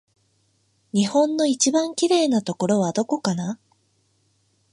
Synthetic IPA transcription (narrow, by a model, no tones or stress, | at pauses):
ɲ̟ihõ̞nːo̞it͡ɕibãŋkʲiɾe̞ːnat̪o̞ko̞ɾo̞β̞ad̪o̞ko̞kana